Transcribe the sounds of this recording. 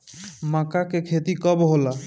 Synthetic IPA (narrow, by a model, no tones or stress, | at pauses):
makakekʰet̪ikɔbɦola